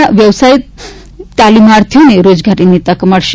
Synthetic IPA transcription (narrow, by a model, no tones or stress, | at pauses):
aʋjəʋsajit̪̚ | t̪alimaɾt̪ʰjuneɾod͡zɡʱaɾinit̪akəmaɽɕ